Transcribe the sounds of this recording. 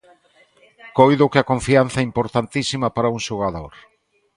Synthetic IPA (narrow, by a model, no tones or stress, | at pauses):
kojðʊkɪɐkõɱfian̟θɐɛimpoɾt̪ant̪isimɐpaɾɐuŋʃoɣaðoɾ